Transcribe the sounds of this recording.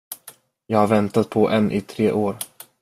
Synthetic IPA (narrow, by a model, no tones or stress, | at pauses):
jɑːɡhaɾvɛnt̪at̪̚pʰɔʔɛnʔɪt̪ʰɾeːʔoːɾ